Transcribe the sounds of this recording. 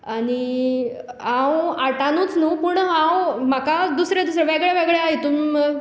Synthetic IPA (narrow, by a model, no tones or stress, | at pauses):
aɽi | ɦãwaʈanuːt͡snuːpuɳɦãwmakad̪usɾed̪usɾeʋeɡɭjaʋeɡɭjait̪uːm